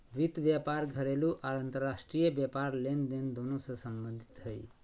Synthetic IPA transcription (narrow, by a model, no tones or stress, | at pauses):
ʋit̪ʋjapaɾɡʱəɾeluʔaɾənt̪əɾːasʈɾijəbjapaɾlend̪end̪onosəsəmbə̃nd̪ʱi̥t̪ɦəj